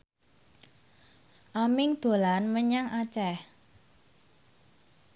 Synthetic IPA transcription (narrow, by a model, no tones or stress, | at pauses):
ʔamɪŋd̪̥o̤lanməɲaŋat͡ʃɛh